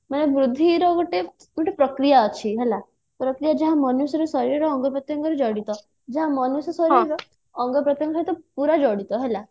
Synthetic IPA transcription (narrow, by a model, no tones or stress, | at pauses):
məneʋɾud̪ʱːiɾɔɡuʈe | ɡuʈepɾəkɾijaət͡ɕʰiɦɛla | pɾəkɾijad͡ʒɛɦãmɔnusɾɔsɔɾiɾɾɔːŋɡəpɾət̪jəŋɡəɾid͡ʒɔɽit̪ɔ | d͡ʒɛɦãmənusəsɔɾiɾɔ | əŋɡəpɾət̪jəŋɡaɾet̪ɔpuɾad͡ʒɔɽit̪ɔɦɛla